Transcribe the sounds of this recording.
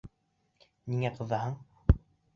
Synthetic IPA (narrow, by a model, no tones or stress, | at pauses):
niŋæqɤ̆ðɑhɤɴ